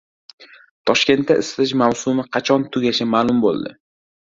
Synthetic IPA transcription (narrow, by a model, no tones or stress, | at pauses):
t̪ʰɒʃkʲe̞nt̪ːaʔɪsɪt̪ɪʃmawsʊmɪqʰɑt͡ʃʰɒnt̪ʰʊɡʲaʃamaːlˠʊmbo̰lˠd̪ɪ̰